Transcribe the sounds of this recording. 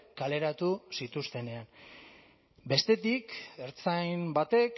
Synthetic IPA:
kale̞ɾat̪usit̪ust̪e̞ne̞an | be̞st̪e̞t̪ikeɾt͡sajmbat̪e̞k

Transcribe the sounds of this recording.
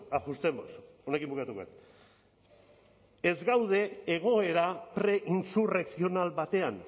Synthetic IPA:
axust̪embs | o̞ne̞kimbukat̪ukoa̰t̪ | ezɡawð̞e̞ːɣ̞o̞e̞ɾapɾe̞ʔinsureksio̞nalβat̪e̞an

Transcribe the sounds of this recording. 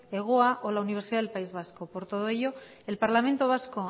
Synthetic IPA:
eɣ̞oaʔolauniβ̞eɾsiðaðelpaizβ̞asko̞po̞ɾt̪o̞ð̞oe̞ʎo̞ | e̞lpaɾlamẽ̞nt̪o̞β̞asko̞

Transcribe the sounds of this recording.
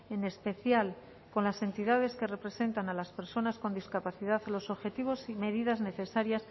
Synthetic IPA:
e̞ne̞spe̞θjal | ko̞nlase̞nt̪iðað̞e̞ske̞re̞pɾe̞se̞nt̪analaspe̞ɾso̞nasko̞nd̪iskapaθiðaðlo̞so̞βxe̞t̪iβo̞sime̞ðiðazne̞θe̞saɾjas

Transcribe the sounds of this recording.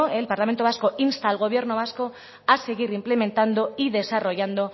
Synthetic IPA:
elpaɾlame̞nt̪oasko̞ʔinst̪alɣoβ̞je̞ɾno̞β̞asko̞ | ase̞ɣ̞iɾimple̞me̞nt̪and̪o̞iðe̞saro̞ʝand̪o

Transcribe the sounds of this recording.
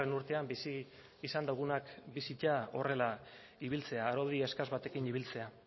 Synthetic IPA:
enuɾt̪e̞ambisi | isand̪aɣ̞unakbisicao̞re̞la | iβilt͡se̞aːɾoðie̞skazβat̪e̞kiniβ̞ilt͡se̞a

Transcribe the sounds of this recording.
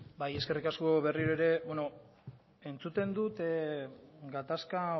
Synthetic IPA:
baje̞ske̞rikasko̞βe̞riɾoeɾe̞bweno̞ | e̞nt͡sut̪e̞nd̪ut̪ | ɡat̪aska

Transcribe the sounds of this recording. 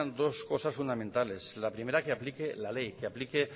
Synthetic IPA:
nd̪o̞sko̞sasfund̪amẽnt̪ale̞slapɾime̞ɾakeaplikelalejkeaplike

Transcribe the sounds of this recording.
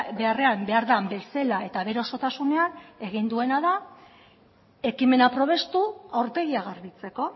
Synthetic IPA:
be̞are̞ambe̞aɾðambe̞selae̞t̪aβe̞ɾeo̞so̞t̪asune̞ane̞ɣ̞ind̪ue̞naða | e̞kime̞napɾo̞β̞e̞st̪uawɾt̪e̞ɣiaɣaɾβit͡se̞ko̞

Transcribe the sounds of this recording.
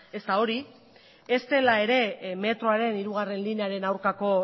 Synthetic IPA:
e̞st̪ao̞ɾi | est̪e̞lae̞ɾe̞me̞t̪ɾo̞aɾe̞niɾuɣ̞are̞nlineaɾe̞nawɾkako̞

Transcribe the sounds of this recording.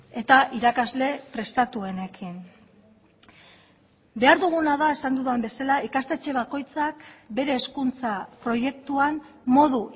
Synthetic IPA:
e̞t̪aʔiɾakazle̞pɾe̞st̪at̪ue̞ne̞kʰin | be̞aɾðuɣ̞unaðae̞sand̪uðembe̞salaikast̪e̞t͡ʃe̞β̞ako̞jt͡sakbe̞ɾe̞ːskunt͡sapɾo̞je̞kt̪uan | mo̞ðu

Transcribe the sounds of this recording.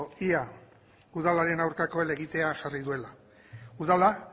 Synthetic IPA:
ia | uðalaɾe̞nawɾkako̞ele̞ɣit̪e̞aʝariðue̞la | uðala

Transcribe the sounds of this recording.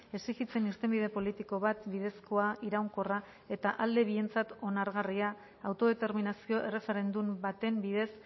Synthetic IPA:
e̞sikit͡se̞nist̪e̞mbið̞e̞po̞lit̪iko̞βat̪bið̞e̞sko̞aiɾawŋko̞ra | e̞t̪aʔald̪e̞β̞ie̞nt͡sat̪o̞naɾɣariaː | wt̪o̞ð̞e̞t̪e̞ɾminasio̞ʔe̞re̞fe̞ɾe̞nd̪umbat̪e̞mbið̞e̞s

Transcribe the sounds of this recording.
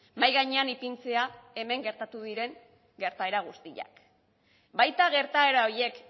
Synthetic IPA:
majɣaɲe̞anipint͡se̞ae̞me̞ŋɡe̞ɾt̪at̪uðiɾe̞ŋ | ɡe̞ɾt̪ae̞ɾaɣ̞ust̪iʎa̰k | bajt̪aɣ̞e̞ɾt̪ae̞ɾaoɾje̞k

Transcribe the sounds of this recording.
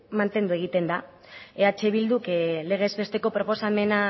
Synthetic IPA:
mant̪e̞nd̪ue̞ɣit̪e̞nd̪a | eat͡ʃe̞βild̪ukle̞ɣ̞ezβe̞st̪e̞ko̞pɾo̞po̞same̞na

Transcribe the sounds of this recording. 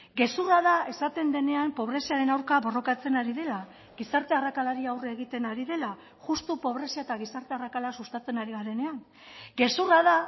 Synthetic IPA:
ɡe̞suraðae̞sat̪e̞nd̪e̞ne̞ampo̞β̞ɾe̞siaɾe̞nawɾkaβo̞ro̞kat͡se̞naɾið̞e̞la | ɣisaɾt̪e̞arakalaɾiawreeɣ̞it̪e̞naɾiðe̞la | ʝust̪upo̞βɾe̞siaet̪aɣ̞isaɾt̪e̞arakalasust̪at͡se̞naɾiɣaɾe̞ne̞aŋ | ɡe̞suraða

